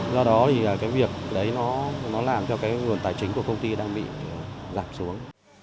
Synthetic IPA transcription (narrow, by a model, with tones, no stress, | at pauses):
zɔ˧ɗɔ˨˦t̪ʰi˨˩aː˨˩kaː˨˦jvi˨˩ək̚ɗə˨˦jnɔ˨˦nɔ˨˦laː˨˩mt͡ɕɔ˧kaː˨˦jŋɨ˨˩ənt̪aː˨˩jt͡ɕï˨˦ŋ̟ku˧˩əkə˧wŋ͡mt̪i˧ɗaː˧ŋɓḭ˧˨˩zaː˨˩m̚su˨˦əŋ